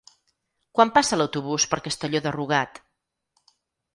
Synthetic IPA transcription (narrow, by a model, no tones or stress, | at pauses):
kwampasələwt̪uβ̞uspəɾkəst̪əʎoðəruɣat̪